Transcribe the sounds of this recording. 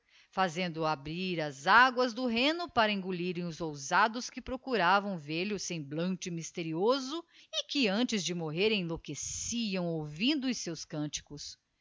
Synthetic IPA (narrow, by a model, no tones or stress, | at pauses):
fazẽnd̪ʊabɾiɾɐzaɡwɐzd̪ʊɦẽnʊpaɾɐĩŋɡuliɾẽj̃ʊzowzad̪ʊskɪpɾokuɾavɐ̃w̃veɾʎɪʊsẽj̃blɐ̃nt͡ʃɪmist̪eɾiozʊikɪɐ̃nt͡ʃɪzd͡ʒɪmoɦeɾẽj̃lokesiɐ̃w̃owvĩnd̪ʊʊsewskɐ̃nt͡ʃi̥kʊs